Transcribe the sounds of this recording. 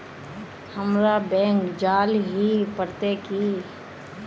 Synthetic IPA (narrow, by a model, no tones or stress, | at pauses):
həmɾabɛ̃ːŋkd͡ʒaːlɦipəɾt̪eki